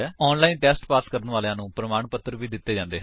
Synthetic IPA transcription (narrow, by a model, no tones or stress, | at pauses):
ɛːɔːnlaːinʈɛːsʈpaːskəɾənʋaːlejãːnũːpɾəmaːɳpət̪ːəɾʋiːd̪ɪt̪ːeːd͡ʒãːnd̪eːɦ